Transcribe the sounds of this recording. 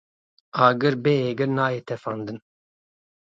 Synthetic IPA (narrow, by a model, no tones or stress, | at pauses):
aːɡɨɾbeːeːɡɨɾnaːjet̪ʰɛfand̪ɨn